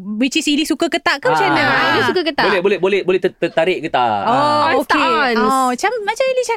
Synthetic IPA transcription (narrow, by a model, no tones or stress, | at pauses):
wit͡ʃisilisukəkət̪aʔkamat͡ʃanə̃ilisukəkət̪aʔbolɛbolɛhbolɛhbolɛht̪t̪ət̪aɾɪʔkət̪a̰ookenɔt͡ʃamːat͡ʃamilit͡ʃa